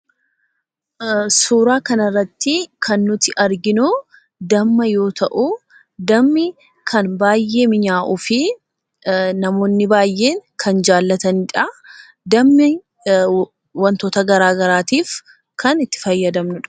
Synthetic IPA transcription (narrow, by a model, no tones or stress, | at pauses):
suːɾaːkɐnɐrːɐt̪ːɪkʰɐnːʊt̪ɪʔɐɾɡɪnʊ | d̪ɐmːɐjo̞ːt̪ʰɐʔʊ | d̪ɐmːɪ | kʰɐnbaːjːe̞ːmɪɲaːʔufɪ | nɐmo̞ːnːɪbaːjːe̞ːŋkʰɐnd͡ʒaːlːɐt̪ɐnɪᶑɐ | d̪ɐmːɪ | wɐnt̪oːt̪ɐɡɐɾaːɡɐɾaːt̪iːf | kɐnɪt̪ːɪ̥fɐjːɐd̪ɐmnʊᶑɐ̥